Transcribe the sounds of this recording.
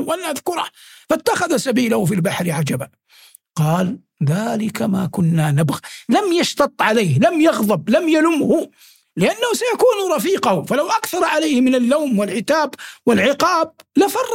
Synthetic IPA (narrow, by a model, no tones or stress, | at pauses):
wʔalʔaðkʊɾˤɑhfat̪ːaxaðasabiːlahfilbaħɾʕad͡ʒaba | qɑːl | ðaːlɪkama̰ːkʊnːanabɣalamjɑʃt̪ɑt̪ˤːʕaleːhlamjɑɣðˤɑblamjalʊmhʊ | lɪʔanːahʊsajakuːnɾˤɑfiːqɑhfalawʔakθɑɾˤʕalajhmɪnalːawmwɪlʕɪt̪aːbwɪlʕɪqɑːb̚lafɑrˤː